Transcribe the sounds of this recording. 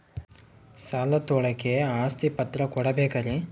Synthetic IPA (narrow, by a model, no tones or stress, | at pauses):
saːlɐt̪ɔɭɐkːeaːst̪ipɐt̪ɾɐkɔɽɐbeːkɐɾe